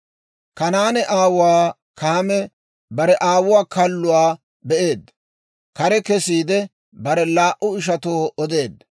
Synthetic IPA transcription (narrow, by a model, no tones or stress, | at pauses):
kɐnaːnɛʔaːwʊwaː | kɐɐmɛ | bɐɾɛʔaːwʊwaːkɐlːʊwaː | bɛʔe̞ːd̪ | kɐɾɛkɛsiːd̪ɛ | bɐɾɛlaːʔʊɪʃ̬ɐt̪oːɔd̪e̞ːd̪